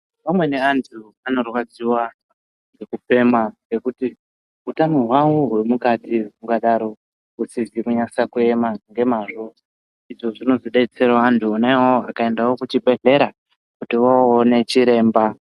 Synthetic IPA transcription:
pamwe̞ne̞antʰu | ano̞rwad͡ziwa | ŋɡe̞kupe̞maŋɡe̞kuti | utanorwawuɦwe̞mukatimukaɗaɾo̞ | usizikuɲasakue̞maŋɡe̞maːʐo̞ | iʐoʐino̞ziɗeit͡se̞ɾaantʰuonaewaoakae̞ndawo̞kut͡ʃipe̞ɮe̞ɾa | kutiwaone̞t͡ʃiɾe̞ːmba

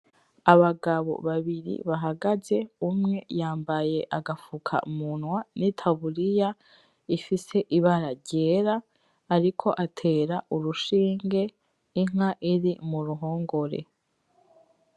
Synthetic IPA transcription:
aβaɡaβo̞̰βaβiɾḭβaɦaɡaze̞umŋe̞jaːmbaje̞ʔaɡafukʰa̰munwanitʰaβuɾija | ifise̞ʔiβaɾaɟeːɾaː | ɾikʰo̞ʔatʰe̞ːɾaʔuɾuʃiːŋɡe̞ | iŋ̥aʔiɾimuɾuɦoːŋɡo̞ɾe̞̰

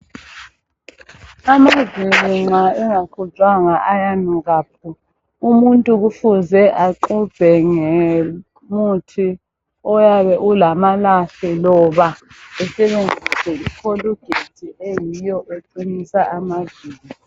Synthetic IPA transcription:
amaziŋ͡ǁiŋ͡ǁaɛŋakʰut͡ʃʼwaŋaʔajanuɣaːpʰu | umuntʼuɣufuzɛʔaǃub̥ʱɛŋɛ | mutʰi | ɔjaβɛʔulamalaɬɛlɔβa | ɛsɛβend͡zʱisɛikʰoluɡ̥ʱetʰiʔejijɔʔeǀinisaʔamaziːli

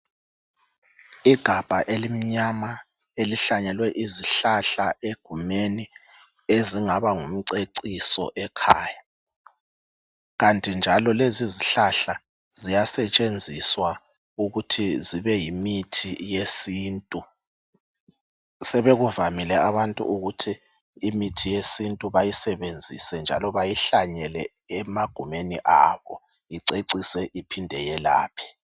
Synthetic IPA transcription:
iɡ̥ʱab̥ʱaʔelim̩ɲama | eliɬaɲɛlwɛʔiziɬaɬaʔeɡ̥ʱumeni | eziŋaβaŋum̩ǀeǀisɔ̰ʔɛkʰaːja | ɣantʼind͡ʒʱalɔleziziɬaɬa | zijasɛt͡ʃʼend͡zʱiswa | uɣutʰiziβɛjimitʰijesiːntʼu | sɛβeɣuvamilɛaβantʼṵʔuɣutʰiː | mitʰijesintʼuβajisɛβend͡zʱḭsɛnd͡ʒʱa̰lɔβajiɬaɲɛlɛ | ɛmaɡ̥ʱumenḭʔaβɔ̰ | iǀeǀisɛʔipʰindʱɛjɛla̰ːpʰi̥

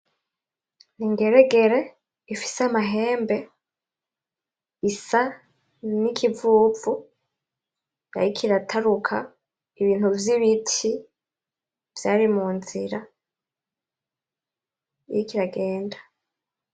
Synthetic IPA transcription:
niŋɡe̞ɾe̞ɡe̞ɾe̞ | ifi̥seamaɦe̞ːmbe̞ | isa | nikʰivuːvu | a̰ɾikʰiɾatʰaɾukʰa | iβiːn̥uvjiβitʰi | v̥jaːɾimuːnziɾa | jikiɾaɡe̞ːndḁ

